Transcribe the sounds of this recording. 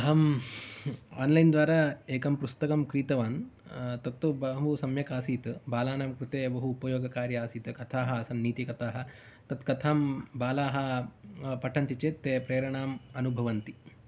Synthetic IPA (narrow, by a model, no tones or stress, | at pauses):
ɐɦɐm | a̰ːnlɐjnd̪ʋaːɾaːeːkɐmpust̪ɐkɐmkɾiːt̪ɐʋaːnt̪ɐt̪ːubɐɦusɐmjɐkaːsiːt̪ɐbaːlaːnaːmkɾut̪eːbɐɦuːpɐjoːɡɐkaːɾjɐaːsiːt̪ɐkɐt̪ʰaːɦɐɐsɐnniːt̪ikɐt̪aːɦɐ̆ | t̪ɐt̪kɐt̪ʰaːmbaːlaːɦɐ̆ | pɐʈʰɐnt̪it͡ʃeːt̪ːeːpɾɐːɾɐɳaːmɐnubʱɐʋɐnt̪i